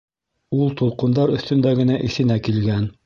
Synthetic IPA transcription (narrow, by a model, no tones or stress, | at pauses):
ulˠt̪ulˠqɤ̆nd̪ɑɾɵ̆θt̪ɵ̆nd̪æɡɘ̆næʔiθɘ̆nækilɡæn